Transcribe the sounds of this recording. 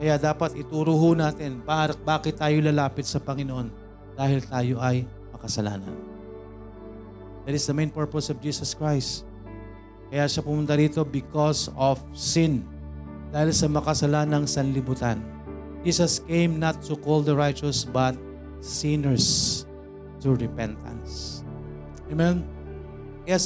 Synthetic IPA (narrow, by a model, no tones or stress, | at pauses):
kɐjad̪aːpɐt̪ʔɪt̪uːɾʊɦʊnaːt̪ɪnbaɾɐbaːkɪt̪ːaːjolɐlaːpɪt̪̚sɐpɐŋɪnoʔo̞n | d̪̥aːhɪlt̪aːjo̞ʔɐj | mɐkɐsɐla̰ːnɐ̰n | d̪at̪ɪsd̪ɐmẽjnpɛɹposɔvd͡ʒiːsɐskɹajst̪ | kɐjaʃapʊmʊnt̪aɾiːt̪o̞bɪkɔsɔfsɪn | d̪aːhɪlsɐmɐkɐsɐlanɐŋsɐnlɪbut̪an | d͡ʒiːsɐskẽjmnɐt̪ːʊkold̪ɐɹajt͡ʃɐsbɐt̪̚ | sɪ̃nɛɹs | t̪ʊɹɛpɛnt̪ʰɐ̰ns | ɛmɛ̃n | kɐja